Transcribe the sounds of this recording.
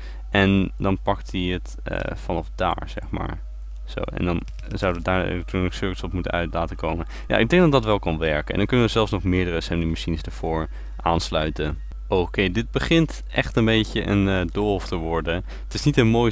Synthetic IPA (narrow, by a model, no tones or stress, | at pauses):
ʔɛndɑnpɑktiət | ə̰fɑnɔfda̰ːɹz̥ɛ̰χma̰ːɹ | z̥o̰wɛ̰ndɑn | zɑwdəʋədaːɹ̰tunəksøɹkəsɔpmutə̰nœɥtlaːtəkowmə | ja̰ːʔɪɡ̚dɛŋɡdɑtdɑtʋɛlˠkɑnʋɛɹkəʔɛndɑnŋkɵnəʋəzɛlˠfsnɔχmɪːɹdərəsɛmdimaʃinəzdaɹv̥ʊːɹ | ʔaːnslœɥtən | owkejdɪd̚bəχɪnt | ʔɛχtənbejcəʔə̰ndɔlˠftəʋɔɹdən | ətɪsnitənmoːj